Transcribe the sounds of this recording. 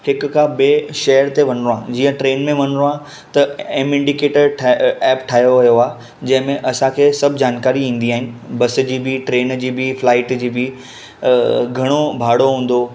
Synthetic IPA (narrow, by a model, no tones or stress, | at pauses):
hɪk̆kʰãbeːʃɐɦəɾt̪eʋɐnɾoãːd͡ʑiːə̃ʈɾeːnmẽʋɐnɾoaː | t̪ɐẽːmɪ̃ɳɖikeːʈəʈʰɛːpʈʰaːɦjoʋɐjoaː | d͡ʑɐ̃ɦɪ̃mẽʔɐsãkʰeːsɐbʱd͡ʑaːnkaːɾiĩːn̆d̪iaːɦɪnɪ̆bɐs̆d͡ʑiːbɪʈɾeːnd͡ʑiːbɪflaːɪʈd͡ʑiːbɪ | ɡʱɐɽ̃obʱaːɽoɦũːn̆d̪o